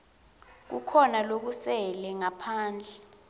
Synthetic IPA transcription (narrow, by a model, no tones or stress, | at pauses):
k̬ṵkʰɔnalok̬usɛlɛŋapʰaːnd͡ɮʱɛ